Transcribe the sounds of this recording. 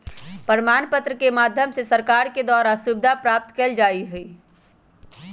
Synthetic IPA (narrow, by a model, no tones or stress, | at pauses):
pəɾmaːnpət̪ɾəkemaːd̪ʱjəmsesəɾkaːɾked̪aːɾasʊbɪd̪ʱapɾaːp̚t̪keld͡ʒaːiɦʊi